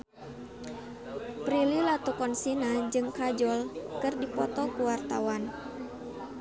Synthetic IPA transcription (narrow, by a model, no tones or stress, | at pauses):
pɾililat̪ukɔnsinad͡ʒɨŋkad͡ʒɔlkɨrdipɔt̪ɔkuwart̪awan